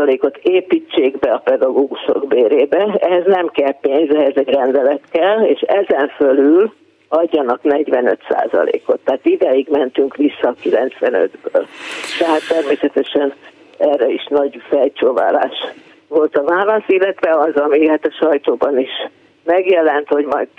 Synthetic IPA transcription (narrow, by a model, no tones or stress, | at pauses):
leːko̞t̪eːpit͡ʃːeːɡbɛɒpɛd̪ɒɡoːɡuʃo̞̰ɡbeːɾeːbɛɛɦɛznɛmkɛlpeːnzɛɦɛzɛɟrɛnd̪ɛlɛt̪kɛleːʃɛzɛɱfølyl | ɒɟːɒnɒknɛɟʋɛnø̰t̪sa̰ːzɒ̰lḛːkot̪ːɛɦaːt̪id̪ɛjiɡmɛnt̪yŋkʋisːɒkilɛnt̪sʋɛnø̰d̪bø̰ːlt̪ɛɦaːt̪ːɛrmeːsɛt̪ɛʃɛn | ɛrːɛiʃnɒɟfɛlt͡ʃoːva̰ːla̰ːʃ | ʋo̞lt̪ɒvaːlɒsilːɛt̪ʋɛɒzɒmihat̪ɒʃɒjt̪oːbɒniʃ | mɛɡjɛlɛnt̪ho̞ɟmɒjd̪